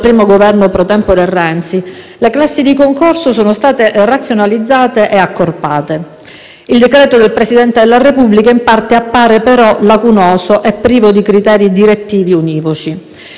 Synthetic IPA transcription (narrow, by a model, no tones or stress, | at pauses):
pɾiːmoɡovɛrnopɾot̪ɛmpod̪erːɛnt̪si | leklasːid̪ikoŋkorsosoːnost̪aːt̪erat̪sjonalid̪zːaːt̪eʔeakːorpaːt̪e | ild̪ekɾɛːt̪od̪elpɾesid̪ɛnt̪ed̪elːarepubːlikaimpart̪eapːaːɾepeɾɔlakunɔːsoʔɛpːɾiːvod̪ikɾit̪ɛːɾid̪iɾet̪ːiːviuniːvot͡ʃi